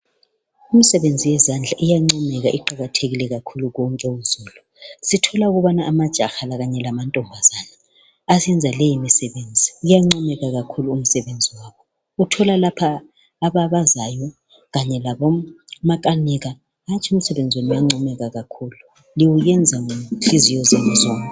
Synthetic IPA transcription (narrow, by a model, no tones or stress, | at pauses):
um̩sɛβend͡zʱijɛzand͡ɮʱaʔijaŋ͡ǀɔmɛɣaʔiǃaɣatʰeɣilɛɣakʰuluɣɔŋkʼɛunzʱuːlu | sitʰɔlauɣuβanaʔːmad̥ʒ̥ʱaxalaɣaɲɛlamantʼɔmbʱazana | asɛnd͡zʱalɛjimisɛβend͡zʱiujaŋ͡ǀɔmɛɣaɣakʰuluːm̩sɛβend͡zʱiwaːkʰɔ | utʰɔlalapʰaː | βaβazajɔ | ɣaɲɛlaβɔmakʼaniɣaː | t͡ʃʰium̩sɛβɛnd͡zʱwenijaŋ͡ǀɔmɛɣaɣakʰuːlu | liwujɛnd͡zʱaŋuɬizijɔzɛnɛzɔːŋkʼɛ